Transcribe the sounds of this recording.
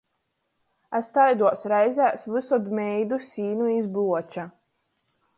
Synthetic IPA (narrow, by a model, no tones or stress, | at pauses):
ast̪ajd̪uɔsɾɛjzʲæːsvɨsɔd̪mʲɛjd̪usʲiːnuizbuɔt͡ʃa